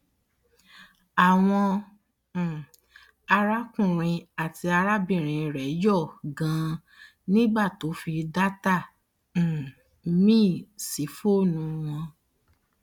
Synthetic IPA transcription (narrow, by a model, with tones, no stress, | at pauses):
a˨w̃ɔ̃˧˨ | a˧ɾa˦kũ˦˨ɾ̃ĩ˧a˨ti˧a˧ɾa˦bĩ˦˨ɾ̃ĩ˨ɾɛ˨˦jɔ˦˨ɡã˨˦ | nĩ˦ɡ͡ba˦˨to˨˦fi˧da˦tã˦˨ | mĩː˦˨si˨˦fo˦nũ˧w̃ɔ̃˧